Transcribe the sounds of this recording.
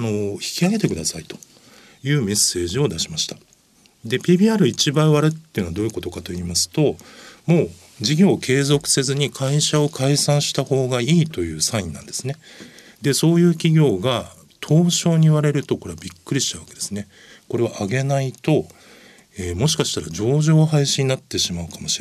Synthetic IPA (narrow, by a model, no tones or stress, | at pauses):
ano̞çi̥kʲiaɡe̞t̪e̞kɯ̟d̪asait̪o̥ | jɯ̟ːme̞sːe̞ːʑio̞d̪aɕimaɕi̥t̪a | d̪e̞pʲiːbʲiːaɾɯ̟it͡ɕibaiβaɾɯt̪ːejɯ̟noad̪oːiɯ̟ko̞t̪o̞kat̪o̞iːmasɨ̥t̪o̞mo̞ː | d͡ʑiɡʲo̞ːkʰe̞ːzo̞kɯ̟̥se̞zɨɲ̟ikʰaiɕao̞kʰaisãɰ̃ɕi̥t̪aho̞ːɡaiːt̪o̞jɯ̟ːsãĩnnã̰nd̪e̞̥sɨne̞ | d̪e̞so̞ːjɯ̟ːkʲiɡʲo̞ːɡa | t̪ʰo̞ːɕo̞ːɲ̟iβaɾe̞ɾɯ̟t̪o̞ko̞ɾe̞βabʲikːɯ̟ɾʲiɕi̥t̪aβḁke̞d̪e̞sɨne̞ | ko̞ɾe̞βaʔaɡe̞nait̪o̞ | eːmo̞ɕi̥kaɕi̥t̪aɾad͡ʑo̞ːʑo̞ːɦaiɕiɲ̟inat̪ːe̞ɕimaɯ̟kamo̞ɕi̥ɾe